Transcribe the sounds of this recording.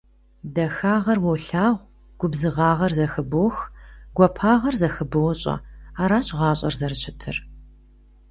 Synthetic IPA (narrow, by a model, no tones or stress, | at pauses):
dɐxaːʁɐrwɔwɬaːʁʷ | ɡ̥ʷʊbzɨʁɑːʁɐrzɐxɨboxɡʷɔpʰaːʁɐrzɐxɨbɨwɔɕʼɐ̰aːɾaːɕʼʁɑːɕʼɐ̰rzɐrɨɕʰɪtʰɨ̰r